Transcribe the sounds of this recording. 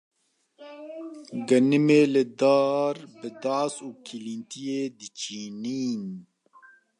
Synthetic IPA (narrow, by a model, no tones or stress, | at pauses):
ɡɐnɨmeːlɪd̪aːɾbɨd̪aːsuːkʰilint̪ijeːd̪ɨt͡ʃiːniːn